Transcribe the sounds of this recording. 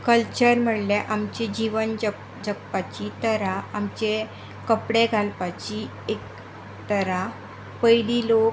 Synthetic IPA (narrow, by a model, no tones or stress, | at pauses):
kəlt͡ɕəɾm̤əɽleʔamt͡ɕed͡ʑiʋənd͡ʑə | d͡zəkpat͡ɕit̪əɾaːmt͡ɕe | kəpɽeɡʱalpat͡ɕi | ek | t̪əɾa | pəjlilok